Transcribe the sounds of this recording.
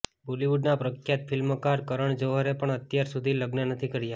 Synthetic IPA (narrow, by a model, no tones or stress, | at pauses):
boliʋuɖnapɾəkʰjat̪fʰɪlməkaɾkəɾəɳd͡ʒəʋəɾepəɳət̪jaɾsud̪ʱiləɡnənət̪ʰikəɾja